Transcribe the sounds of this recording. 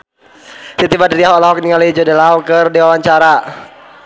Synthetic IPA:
sit̪ibadiɾiaɦɔlaɦɔk̚niŋaloid͡ʒɔdɛlawkərdiwawaɲt͡ʃaɾa

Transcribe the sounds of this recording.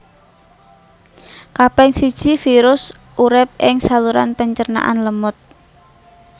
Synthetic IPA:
kapɛŋsid̥ʒ̥ifiɾʊs | ʔuɾɪp̚ʔɪŋsaluɾa̰npəɲt͡ʃərna̰ʔanləmʊt̪̚

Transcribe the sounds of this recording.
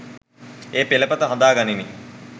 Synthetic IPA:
eːpeləpət̪əɦãnd̪aːɡanini

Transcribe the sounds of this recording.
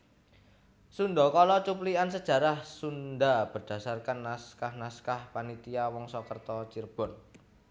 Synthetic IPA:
sunɖ̪ɔkɔlɔt͡ʃupliansəd̥ʒ̥ä̤ɾahsundab̥ə̤rd̥ä̤sarkanːaskahnaskahpanit̪iawɔŋsɔkərt̪ɔt͡ʃirb̥ɔ̤n

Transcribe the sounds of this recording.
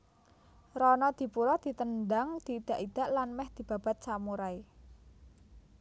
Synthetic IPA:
ɾɔnɔd̪̥i̤puɾɔd̪̥i̤t̪əndaŋd̪̥iːd̪̥a̤ʔid̪̥a̤ʔlanmɛhd̪̥i̤b̥a̤b̥a̤t̪̚samuɾai

